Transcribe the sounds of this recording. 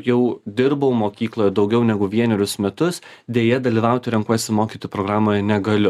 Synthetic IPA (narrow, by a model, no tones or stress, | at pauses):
jɛʊd̪ʲɪɾbɐʊmoːkʲiːklˠoːjɛd̪ɒʊɡʲɛʊnʲɛɡʊʋʲiɛnʲɛɾʲʊsmʲɛt̪ʊsd̪ʲeːjɛd̪ɐlʲiːʋɐˑʊt̪ʲɪɾʲɛŋkuɔjsʲɪmoːkʲiːt̪oːjupɾoːɡɾɑːmoːjɛnʲɛɡɐlʲɪ